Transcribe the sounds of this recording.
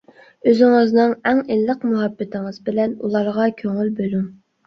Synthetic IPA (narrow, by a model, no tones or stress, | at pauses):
øzɪŋɨznɨŋɛŋelːəqmuɦɑbːɪt̪ʰɪŋɨzbɪlɛnṵlˠɑɾʁɑkʲʰøŋylbølum